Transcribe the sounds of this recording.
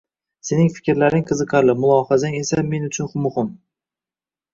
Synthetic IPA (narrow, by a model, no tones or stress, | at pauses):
se̞nɪŋfɪ̥kʲɾlaɾɪŋqʰɨzɨqʰɑɾlɪmʊlˠɒhazaŋe̞samːe̞nʊt͡ʃʰʊnχʊmʊhɪm